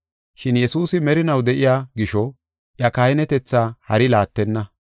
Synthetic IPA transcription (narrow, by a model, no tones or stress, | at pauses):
ʃɪnjɛsuːsɪmɛɾɪnɐwd̪ɛʔɪjaːɡɪʃɔ | ʔjɐkaɪnɛt̪ɛt͡sːaːhɐɾɪlaːt̪ːɛnːɐ